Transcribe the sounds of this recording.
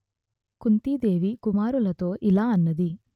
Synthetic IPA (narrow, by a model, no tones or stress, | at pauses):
kunt̪iːd̪e̞ːʋikumaːɾulɐt̪o̞ːʔilaːɐnːɐd̪i